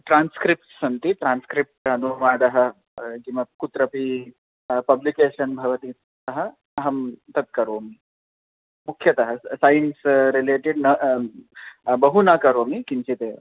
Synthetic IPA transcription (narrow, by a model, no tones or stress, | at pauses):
ʈɾaːnskɾip̚ʈsɐnt̪iʈɾanskɾip̚ʈɐnuʋaːd̪ɐɦɐ̆ | d͡ʒimɐkut̪ɾɐpi | pɐblikeːʃɐnbʱɐʋɐt̪i | ɐɦɐ̆ | ɐɦɐmt̪ɐt̪̚kɐɾoːmi | mukʰːjɐt̪ɐɦɐsajnsɾileːʈiɖnɐ | bɐɦunakɐɾoːmikint͡ʃʰit̪eː